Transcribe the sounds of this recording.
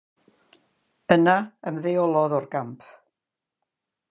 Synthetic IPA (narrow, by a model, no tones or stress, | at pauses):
ənaəmðejɔlˠɔðɔrɡampʰ